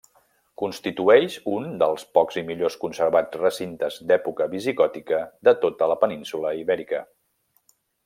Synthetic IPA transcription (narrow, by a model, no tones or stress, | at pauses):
kunst̪it̪uɛʃund̪əlˠspɔkz̥imiʎoskunsəɾβat͡sd͡zrəsint̪əzd̪ɛpukəβiziɣɔt̪ikəd̪ət̪ot̪ələpəninsuləiβɛɾikə̰